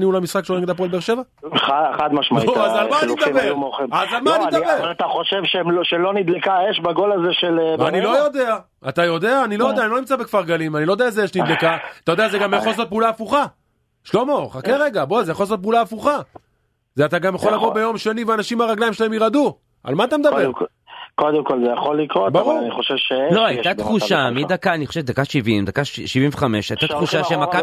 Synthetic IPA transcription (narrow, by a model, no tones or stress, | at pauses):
niulamisχakʃoneket̪apolbeʁʃe̞va | aχad̪maʃmaoazalmanitd̪beumoχimazalmanid̪aeat̪aχoʃevʃeʃelonid̪lekaeʃbaɡo̞lazeʃelva̰nilo̞jo̞d̪e̞a | at̪ajo̞d̪e̞aːnilo̞jodeanilonimt͡sabekfaʁɡalimanilojdeaezejeʃnid̪lekaat̪ajo̞d̪eazeɡamjaχo̞lsot̚peulaːfuχa | ʃlo̞moχakeʁeɡabozejaχolas̬ot̚peuːlaːfuχa | zeat̪aɡamjaχo̞lamobe̞jo̞mʃe̞niveanaʃimaʁaɡlaimʃelaemjiʁad̪u | a̰lmaːt̪̬amed̪ae | kod̪emkolzejaχolikʁobaʁuniχoʃevʃeloajt̪at̪χuʃamid̪akaːniχoʃed̪akaʃivimd̪akaʃʃivĩɱveχameʃajt̪at̪χuʃaʃemaka